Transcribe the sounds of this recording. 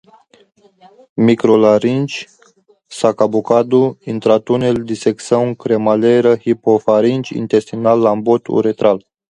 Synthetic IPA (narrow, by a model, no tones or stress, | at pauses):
mikɾolaɾint͡ʃ | sakabukad̪uint̪ɾat̪uneld̪iseksawŋkɾemaleɾəhipofaɾint͡ʃʲḭnt̪e̞st̪inalːambot̪ʰṵɾet̪ɾal